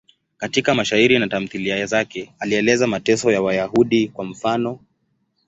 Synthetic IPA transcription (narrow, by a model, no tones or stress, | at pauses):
katikamaʃaiɾinatam̩θiliajazakɛaliɛlɛzamatɛsɔjawajahuɗikwam̩fanɔ